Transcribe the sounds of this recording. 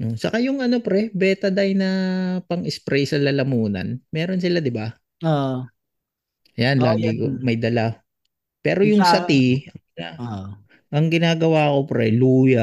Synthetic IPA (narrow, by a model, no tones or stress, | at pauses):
ʔosɐkajʊŋʔɐno̞pɾɛbɛːt̪ɐd̪ajnɐpɐŋʔɪspɾɛjsɐlɐlɐmuːnɐ̰nmɛːɾo̞nsɪlad̪ɪba | oʔ | ɐjanlaːɡikomɐjd̪ɐla | pɛːɾo̞jʊŋsɐt̪iɐŋa | ʔɐŋɡɪnaːɡɐwaːko̞pɾɛluːjɐ